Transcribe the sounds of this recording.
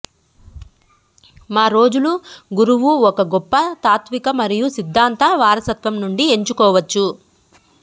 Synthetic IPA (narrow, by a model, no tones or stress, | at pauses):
maːɾo̞ːd͡ʒuluɡuɾuʋuɔkɐɡopːɐt̪aːt̪ʋikɐmɐɾijusid̪ʱːaːnt̪ɐʋaːɾɐsɐt̪ʋɐmnuɳɖie̞ɲt͡ʃukɔːʋɐt͡ʃːu